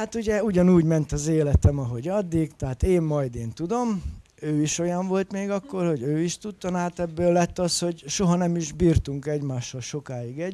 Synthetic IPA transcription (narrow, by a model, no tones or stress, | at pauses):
at̪uɟɛuɟɒnuːɟmɛnt̪ɒzeːlɛt̪ɛmɒɦo̞ɟɒd̪ːikt̪ɛɦat̪eːmːɒjd̪eːnt̪ud̪o̞m | øːiʃo̞jɒɱvo̞lt̪meːɡɒkːo̞rho̞ɟøːiʃt̪ut̪ːɒnaːt̪ɛbːøːlːɛt̪ːɒsho̞ɟʃo̞ɦɒnɛmiʒbiːrt̪uŋkɛɟmaːʃːɒlʃo̞kaːjiɡɛɟ